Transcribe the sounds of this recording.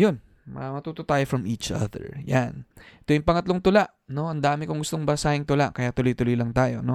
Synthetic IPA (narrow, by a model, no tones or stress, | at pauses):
jon | mɐ̰mɐt̪uːt̪ot̪aːjofɹɐmiːt͡ʃa̰ðɛ̰ɹjanɛt̪ojʊŋpɐŋɐt̪loŋt̪ʊlaʔno̞ʔɐnd̪aːmɪkoŋɡʊst̪o̞ŋbɐsaːhɪŋt̪ʊlaʔkɐjat̪ʊlojt̪ʊlojlɐŋt̪aːjo̞̰no̞